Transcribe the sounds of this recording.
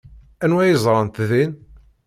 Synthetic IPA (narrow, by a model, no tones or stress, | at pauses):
ænwæjəzˤɾˤɑnt̪ðin